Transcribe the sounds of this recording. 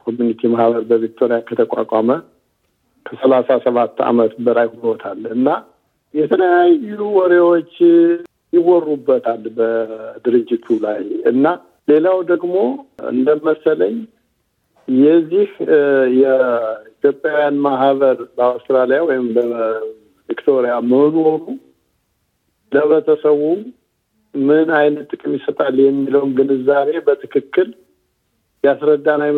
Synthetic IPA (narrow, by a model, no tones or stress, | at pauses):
kʰo̞mjunit̪ʰimahβəɾbəvik̚t̪ʰoɾijakʰət̪ʰəkʷʼa̰kʼamə | kʰəsəlasasəβat̪ːa̰mət̪bəɾajhulot̪ʰalɨnːa | jɛt̪ʰələjajluwɔɾewot͡ʃː | jɪwɔrːubːət̪ʰalbəd̪ɨɾɨd͡ʒːɪt̪ʰulajɨ̰nːa | le̞lawd̪əɡmo̞ɨ̰nd̪əməsələɲ | jɛzːihjɛit̪jo̞pʼjawjanmaɦβəɾbəawst̪ɾalijawɔjɪmbə | vikt̪ʰo̞ɾijaməno̞ɾu | ləβət̪ʰəsəwum | mɨnajnət̪ʼːɨkʼɨmjisət̪ʼaljɛmːiləwnɡɨnɨzːaβe̞bət̪ʰɨkʰɨkːɨl | jasɾəd̪ːanaj